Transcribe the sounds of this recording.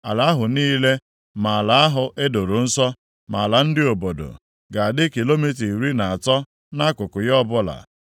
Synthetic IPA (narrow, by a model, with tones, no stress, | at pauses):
a˨la˨˦a˦ɦʊ˨niː˦le˦ | ma˨a˨la˨a˦ɦʊ˨ʔe˦do˨ɾʊ˨n̩˦sɔ˦ | ma˨la˨n̩˦dɪ˦o˨bo˨do̰˨ | ɡa˨a˨dɪ˦ki˨lo˦mi˦t̬i˨ɾi˦na˨a˨tɔ˦ | na˦kʊ˨kʊ˨jɔ˦bʊ˦la̰˨